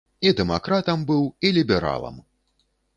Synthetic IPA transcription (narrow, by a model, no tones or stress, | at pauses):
id̪ɛmakɾat̪ɐmbɨwilʲibʲɛɾa̰lˠɐ̰m